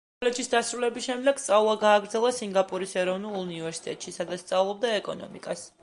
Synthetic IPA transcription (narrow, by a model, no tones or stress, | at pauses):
kʼɔlɛd͡ʒisd̪asɾulɛbisʃɛmd̪ɛɡ̥st̪sʼaulˠaɡaːɡɾd̪zɛlˠasiŋɡapʼuɾisɛɾɔvnulˠunivɛɾsi̥t̪ʼɛ̰t̪ʼʃisad̪at̪st̪sʼavlˠɔb̚d̪aɛkʼɔ̰nɔ̰mikʼas